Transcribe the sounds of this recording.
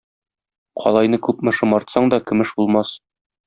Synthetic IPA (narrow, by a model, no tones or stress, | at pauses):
qʰɒ̰lˠɑjn̪ɤkʉpmɘ̆ʃɤ̆mɒɾt̪sɑɴd̪ɒkɵ̆mɘʃbulˠmɑs